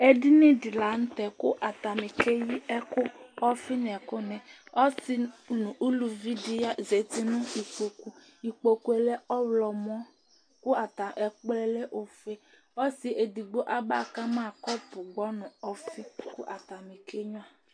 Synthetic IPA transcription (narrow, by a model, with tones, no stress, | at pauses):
ɛ˦di˦nĩ˦di˨la˨n̩˦t̪ɛ˨kʊ˦ʔa˨t̪a˨mĩ˨ke˦ji˦ɛ˦kʊ˦ɔ˦fi˦n˨ɛ˨kʊ˦nɛ̃˨ɔ˦si˦nʊ̃˨ʔu˦lu˨vi˦di˦a˦ze˨t̪i˦nʊ̃˦i˨k͡po˨ku˨ | i˨k͡po˨ku˨e˨lɛ˦ɔ˦wlɔ˨mɔ̃˦ | kʊ˦a˨t̪a˨ʔɛ˨k͡plɛ˦le˦ʔo˨fe˦ | ɔ˦si˨ʔe˨di˨ɡ͡bo˦ʔa˦ba̰˦˨ka˦mã˦˨kɔ˦pʊ˨ɡ͡bɔ˦nʊ̃˨ɔ˦fi˦kʊ˦ʔa˨t̪a˨mĩ˨ke˦ɲũ˦a˨